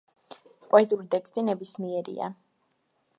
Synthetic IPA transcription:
kʼwait̪ʼuɾit̪ʼɛkst̪ʼinɛbismiɛɾḭa̰

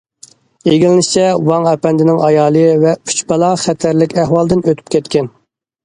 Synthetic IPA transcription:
eɡʲilnɪʃt͡ʃʰɛwɑŋɛpɛnd̪ɪnɪŋɑjɑːlˠɨvɛy̥t͡ʃbɑlˠɑχɛt̪ʰæɾlɪkʲæhwɑlˠd̪ɪnøt̪ʰy̥p̚kʲʰɛt̪kʲɛn

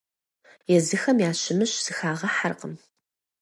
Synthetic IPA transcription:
jɛzɨxɐmjaːɕɪmɨɕz̥ɨxaːʁɐħarqə̰m

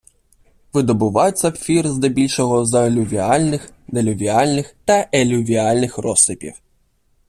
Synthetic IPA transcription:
ʋɪd̪ɔbʊʋɑjʊt͡sʲːɐwfʲirzd̪ɐbʲilʲʃɔɦɔzɐlʲuʋʲialʲnɪx | d̪elʲʊʋʲialʲnɪxt̪ɐʔelʲʊʋʲialʲnɪxrɔsɪpʲḭw

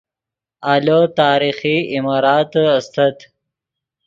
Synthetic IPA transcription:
alot̪aːɾixiimaːɾɑːt̪ast̪ɐt̪

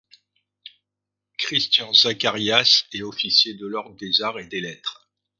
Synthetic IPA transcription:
kχist̪jɑ̃zakaʁjasɛɔfisjed̪əlɔʁɡd̪ezaʁed̪elɛt̪χ

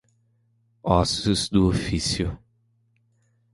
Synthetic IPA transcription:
ɔsʊzd̪ʊofisjʊ

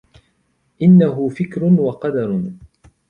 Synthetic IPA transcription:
ʔɪnːaɦʊfɪkɾʊnwɑqɑd̪ɑɾˤ

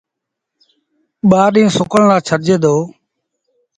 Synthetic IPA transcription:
ɓaːɗĩːsʊkəɳlaːt͡ʃʰəɾd͡ʒeːd̪oː

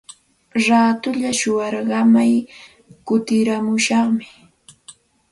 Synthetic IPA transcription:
ɾaːt̪ʊʎaʃʊwɑɾɢɑmaj | kʊt̪ɪɾamʊʃɑχmɪ

